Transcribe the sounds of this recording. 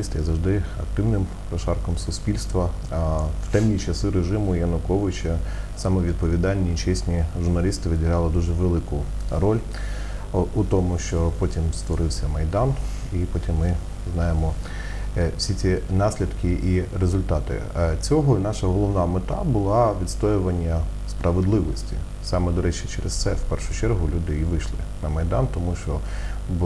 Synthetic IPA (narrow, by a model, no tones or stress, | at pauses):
ist̪ɪjɐzɐʒd̪ɪɐ̰k̚t̪ɪwnɪm | pɾɔʃɑrkɔmsʊspʲilʲst̪ʋɐ | wt̪ɛmnʲit͡ʃɐsɪɾeʒɪmʊjɐnʊkɔʋɪt͡ʃɐsɑmɛʋʲid̪̚pɔʋʲid̪ɑlʲnʲit͡ʃɛsʲnʲiʒʊrnɐlʲist̪ɪʋɪdʲɪɦɾɑlˠɪd̪uʒɛʋelˠɪkʊ | rɔlʲ | ʊt̪ɔmʊʃt͡ʃɔpɔtʲimst̪ʋɔɾɪwsʲɐmɐjd̪ɑn | ipɔtʲimːɪ | znɑjemɔ | wsʲit͡sʲinɑsʲlʲid̪kʰɪʔiɾezʊlʲt̪ɑt̪ɪ̰t͡sʲɔɦɔnɑʃɐɦɔlˠɔʋnɑmet̪ɑ̰bʊlˠɑʋʲid̪st̪ɔjʊʋɐnʲːɐ | spɾʔɐʋed̪lˠɪʋɔsʲtʲḭ | sɑmɛd̪ɔɾɛt͡ʃɪt͡ʃɛɾest̪sɛwpɛrʃʊ̥t͡ʃɛrɦʊlʲud̪ɪiʋɪʃlˠɪ̰nɐmɐjd̪ɑnt̪ɔmuʃt͡ʃɔ | b